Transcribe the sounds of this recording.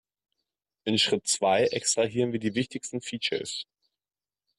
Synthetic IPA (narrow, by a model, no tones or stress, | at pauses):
ʔɪnʃʁ̥ɪtt͡sv̥aɪʔɛkstʁ̥aɦiːʁənviːɐdiːvɪçtɪçstn̩fiːt͡ʃɐ̰s